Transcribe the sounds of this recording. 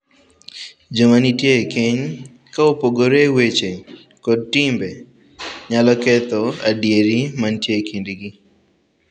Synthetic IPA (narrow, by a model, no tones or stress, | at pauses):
d͡ʒomanitjekiɲ | kaopoɡoɾewet͡ʃe | kɔd̚timbe | ɲalɔkɛt̪ɔadjeɾimantjekindiɡi